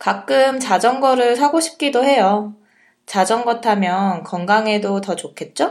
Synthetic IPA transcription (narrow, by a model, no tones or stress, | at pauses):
kak͈ɯmt͡ɕad͡ʑʌnɡʌɾɯɭsʰaɡoɕʰi̥p̚k͈idoɦe̞jo | t͡ɕad͡ʑʌnɡʌtʰamjʌnkʌŋɡaŋe̞dotʌt͡ɕokʰe̞t̚t͡ɕ͈o